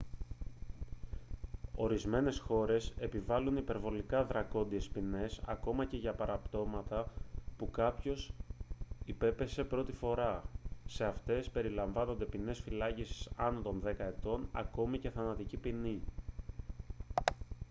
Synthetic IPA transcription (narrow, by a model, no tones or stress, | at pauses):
o̞ɾizme̞ne̞sxo̞ɾe̞se̞pivɐlunipe̞ɾvo̞likɐðɾɐko̞nd̪ie̞spine̞sɐ̰ko̞mɐce̞ʝɐpɐɾɐpt̪o̞mɐt̪ɐpukɐpço̞s | ipe̞pe̞se̞pɾo̞t̪ifo̞ɾɐse̞ɐft̪e̞spe̞ɾilɐɱvɐno̞nd̪e̞pine̞sfilɐcisi̥sɐnot̪o̞nðe̞kɐe̞t̪o̞nɐ̰ko̞mice̞θɐnɐt̪icipini